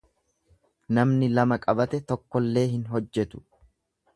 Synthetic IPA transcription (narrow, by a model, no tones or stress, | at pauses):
nɐmnɪlɐmɐkʼɐbɐt̪ɛt̪ɔkːɔlːe̞ːɦɪnɦɔd͡ʒːɛt̪ʊ̥